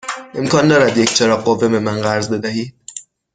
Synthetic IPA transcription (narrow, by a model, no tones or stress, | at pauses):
ʔe̞mkʰɒːnd̪ɒːɾæd̪jecʰt͡ʃʰeɾɒːɡːovːe̞be̞mænɢæɾzbe̞d̪æhiːd̪̥̚